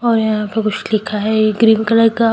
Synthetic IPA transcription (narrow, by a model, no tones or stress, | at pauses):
ɔːɾjɐɦãpekʊt͡ʃʰlɪkʰaɦɛɡɾiːnkələka